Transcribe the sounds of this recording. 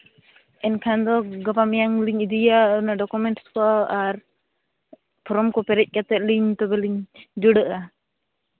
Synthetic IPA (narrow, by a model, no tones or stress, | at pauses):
ʔɛnkʰand̪ɔɡapamijaŋliɲid̪ijanaɖɔkumɛnʈskɔʔaʔaɾ | pʰɔɾɔmkɔpɛɾɛc̚ˀkat̪ɛʔ̚liɲt̪ɔbɛliɲd͡ʒɔɖəʔa